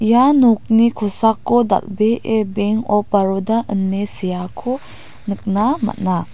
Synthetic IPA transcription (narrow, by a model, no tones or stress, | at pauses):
ijanuk̚nikʰɔsakːɔda̰lbeʔebeŋɔpaɾodaʔənːesijakʰɔ | nɯk̚nama̰t̚na